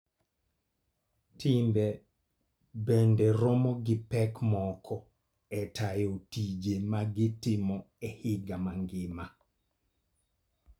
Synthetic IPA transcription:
tɪmbe | bendɛɾɔmɔɡɪpɛkmɔkʰɔ | ɛtajotid͡ʒemaɡɪtɪmɔ | ɛhɪɡamaŋɡɪma

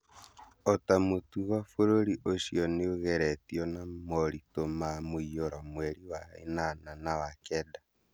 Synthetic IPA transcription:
ɔtamotuɣafoɾoɾiʔoʃiɔneoɣɛɾɛtiɔnamɔɾitomamoioɾamwɛɾiwaḛnananawakɛda

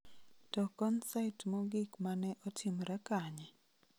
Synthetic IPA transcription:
tɔkɔnsaɪtmɔɡɪkmanɛʔɔtʰɪmɾakaɲɛ

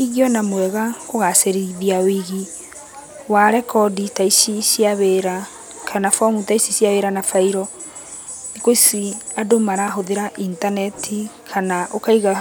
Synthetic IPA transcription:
iɣiɔnamwɛɣakoɣaseɾiðiaowiɣi | waɾɛkɔditaisisjaβeɾa | kʰanafɔmutaisisjaβeɾanafaiɾɔ | nikoisi | adomaɾaɦoðeɾaʔintanɛtʰi | kʰanaʔokaiɣa

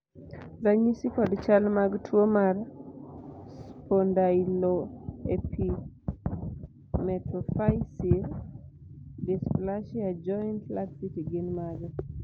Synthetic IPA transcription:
zaɲisikɔdt͡ʃalmaɡtwomar | spondailoepʰi | mɛtɔfajsiɾ | displaʃiad͡ʒɔntlaksitiɡɪnmaɡ

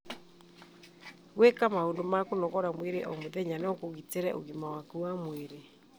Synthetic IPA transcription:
ɣwekamahoːndomakonɔɣɔɾamweɾeʔɔmoðɛɲanɔkoɣiteɾɛ̰ʔo̰ɣimawakuwamweɾe

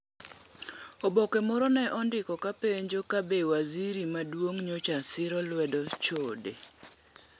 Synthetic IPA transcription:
obokemɔɾɔnɛʔɔndɪkɔkapeɲd͡ʒokabewaziɾimadwoŋɲot͡ʃasɪɾɔlwɛdɔt͡ʃodḛ

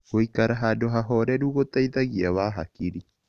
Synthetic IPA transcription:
oikaɾaɦadoɦaɦɔɾɛɾuɣot̪aiðaɣiaβaːɦa̰kiɾi

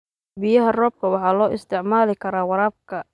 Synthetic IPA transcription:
bijɐɦɐrɔːb̚kʰɐwɑħɑːlɔːʔɪst̪ʰɪʕmaːlɪkʰɐɾaːwɑɾaːb̚kʰɐ

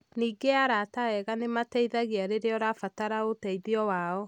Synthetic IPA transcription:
niːɡeaɾataɛɣanematɛiðaɣeaɾeɾeɔɾafataɾaotɛiðiɔwaɔ

